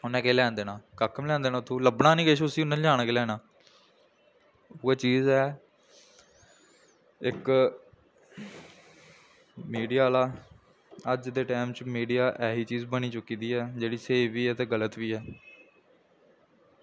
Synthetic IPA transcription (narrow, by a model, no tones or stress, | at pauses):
ʊnːɛ̃ːkeːlɛ̃ːnd̪eːnãːkəkʰəmlɛ̃ːnd̪eːnaːt̪ʰːõːləbnaːnĩːkɪʃʊsiːʊnãːlãːñkelɛːnaː | oːaːt͡ʃiːzɛː | ɪk | miːɖijaːlaː | əd͡ʒd̪eːʈɛːmt͡ʃmiːɖijaːʔɛːɦiːt͡ʃiːzbəñiːt͡ʃʊkiːd̪iːɛːd͡ʒeːɽiːseːʋiːɛːt̪eːɡələt̪ʋiːɛː